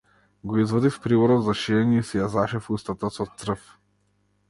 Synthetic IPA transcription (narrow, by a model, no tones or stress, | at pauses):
ɡɔizvɔd̪ifpɾivɔɾɔzaʃiɛnʲiisɛjazaʃɛfust̪at̪asɔt̪sɾəf